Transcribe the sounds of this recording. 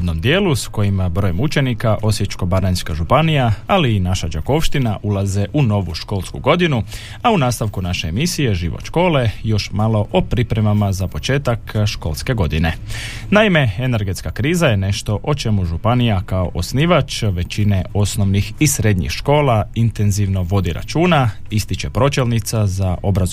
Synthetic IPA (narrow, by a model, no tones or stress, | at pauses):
d̪nomd̪jeːlusko̞jimbɾo̞je̞mut͡ʃe̞nikaʔo̞sjet͡ʃko̞baɾaɲskaʒupanijaaliːnaʃad͡ʒako̞ʋʃt̪inaʔulˠaze̞ʔuno̞ʋuʃko̞lˠskuɡo̞d̪inu | aunaːst̪aʋkunaʃeːmisije̞ʒḭʋo̰ʃko̞ːle̞jo̞ʃmalˠo̞ʔopɾipɾe̞mamazapo̞t͡ʃe̞ːt̪akʃko̞̰lˠske̞ɡo̞d̪ine̞naime̞ene̞ɾɡet̪skakɾiːzajene̞ʃt̪o̞ʔo̞t͡ʃe̞muʒupanijakao̰ʔosniʋat͡ʃʋe̞t͡ɕine̞o̞sno̞ʋnixisɾe̞d̪ɲḭxʃko̞ːlaint̪e̞nziʋno̞ʋo̞d̪iɾa̰t͡ʃuːna | ist̪it͡ʃepɾo̞t͡ʃelnit̪sazaʔo̞bɾaz